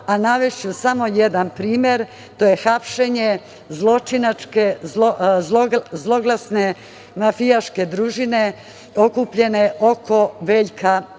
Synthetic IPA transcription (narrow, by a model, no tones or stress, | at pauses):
anaʋeʃt͡ɕusamo̞je̞d̪anpɾiːmʲje̞ɾ | t̪o̞je̞xapʃe̞ɲe | zlˠo̞t͡ʃinat͡ʃke | zlozlˠo̞ɡlˠasne̞ | mafijaʃke̞d̪ɾuːʒine̞ | okupʎe̞ne̞ʔo̞ko̞ʋe̞ːʎka